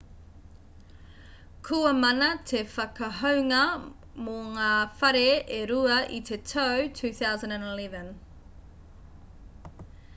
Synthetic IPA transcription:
kʰuɐmɐnɐtʰefɐkɐɦɐwŋɐ | moŋaːfɐɾeeɾuɐʔitʰetʰowtʰʉːθawzə̃ndæ̃nelɛvə̃n

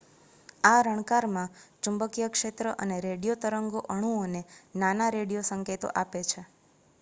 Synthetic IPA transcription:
aɾəɳ̃kaɾmãt͡ʃũmbəkijəkʂet̪ɾəʔəneɾeɽijot̪əɾəŋɡoʔəɽ̃uonenanaɾeɽijosəŋket̪o̰ʔapet͡ʃʰe

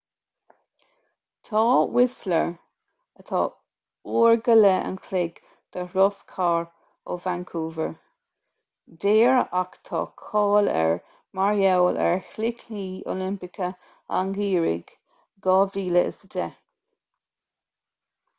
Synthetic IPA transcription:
t̪ʰɑːwɪsləɹ | ət̪ʰɑ̰ː | uːɹɡələə̰nkʰlɪɡ | d̪̥əɾɔskʰaːɹ | ovaŋkʰuːvəɹ | deːɹəʔakt̪ʰɑ̰ːkʰɔːlɛ̰ɹ | maɹjɛwlʔɛ̰ɹxlɪkiːo̰lɪmpɪkə | a̰ŋɡiːɹɪ̰ɡ | ɡɑːviːləɪ̰sədɛ

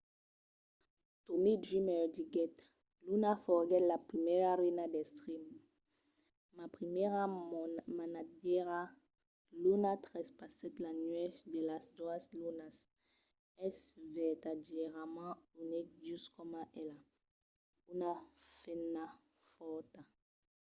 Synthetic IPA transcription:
t̪umiʒimɛʁd̪iɡɛt̪ | lunafɔʁɡɛt̪lapχimɛʁaʁɛnad̪ɛst̪χim | mapχimɛʁamanadɛʁa | lunat̪ʁɛspasɛt̪lanɥɛfd̪elasd̪aslunas | ɛsvɛt̪adɛʁamãunɛkʒyskɔmãʔɛla | unafɛnːa | fɔt̪a

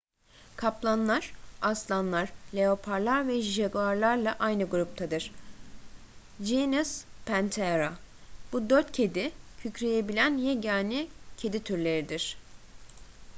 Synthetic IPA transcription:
kʰaplˠanlˠaɾ̥aslˠanlˠaɾ̥lʲe̞o̞pʰaɾlˠaɾvɛʒiʒeɡuaɾlˠaɾlˠaʔajnɯɡuɾup̚t̪ʰad̪ɯɾ̥ | d͡ʒinuspʰænt̪ʰeɾob̥ud̪øɾt̪cʰe̞d̪icʰycɾejebilʲænjɛɟaːnicʰe̞d̪it̪ʰyɾlʲe̞ɾid̪iɾ̥

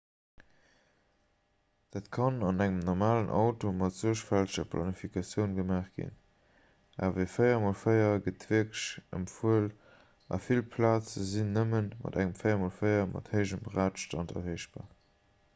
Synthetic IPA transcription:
d̥aːtkʰɑnɑnæŋəmnɔʁmaːlənʔɑʊtomɑtz̥uəʃfæltəʃɐpʰlʔɑ̰nifikɑsjəʊnɡəmaːχɡ̥ḭn | ʔa̰ːvəfəɪɐmolfəɪɐɡətv̥iəkəʃə̰mfuəl | ʔɑ̰filpʰlaːt͡səzinːəmənmɑ̰dæŋəmfəɪɐmolfəɪɐmʔɑ̰thəɪʒəmbʁaːtʃtɑntɐ̰veɪʃb̥a̰ː

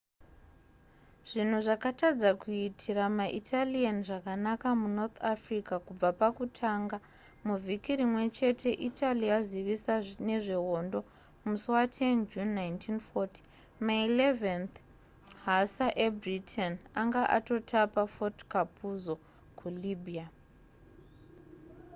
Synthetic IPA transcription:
ʐ̥in̤uʐakatad͡zakuitʰiɾamaʔitʰalianiʐakanakamunot̪ʰafrikakub͡vapakutʰaːŋɡa | muvʱikiɾimwe̞t͡ʃe̞tʰe̞ʔitʰaliaziʋisane̞ʐe̞ɦo̞ndo̞ | musuwatʰe̞nd͡ʒunːajntʰinfoti̥ | mailevent | ɦasaʔebritʰenaŋɡaʔa̰to̞tʰapafotkapuzo̞ | kʰuliːbʱia

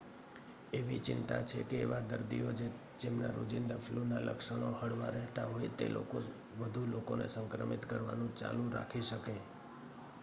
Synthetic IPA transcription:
eʋit͡ʃɪnt̪at͡ʃʰekḛːʋad̪əɾd̪iod͡ʒe | d͡ʒemnaɾo̰d͡ʒind̪əfʰlunalə̰kʃəɽ̃ohəɽʋaɾɛɦt̪aɦojet̪ḛlʔo̰ko | ʋəd̪ʱulokonḛsə̃ŋkɾəmit̪kəɾʋa̰nũt͡ʃa̰lũɾa̰kʰiʃəke

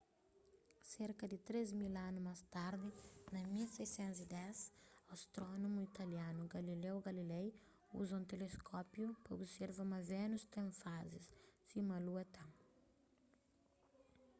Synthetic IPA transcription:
seɾkɐd̪ɪt̪ɾezmilãnumast̪aɾd̪ɪnɐmilsejsɛ̃nt̪zid̪ɛsɐst̪ɾɔnomuit̪ɐljãnuɡɐlilɛwɡɐlilɛj | ṵzɐ̃w̃t̪eleskʰɔpjupɐo̰biseɾvɐmɐvenust̪ẽfazissimɐluɐt̪ã

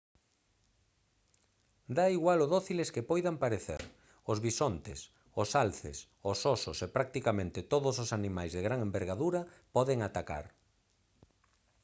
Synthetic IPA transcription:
d̪aiɣwaloðoθileskɪpojðampaɾeθḛɾ | ʊzβisont̪ɪ̰s | ʊsalθɪ̰s | osɔsosepɾak̚t̪ikamẽnt̪ɪt̪oðʊs̬osanimajzðeɣɾaŋembeɾɣaðuɾɐpɔðɪŋat̪aka̰ɾ

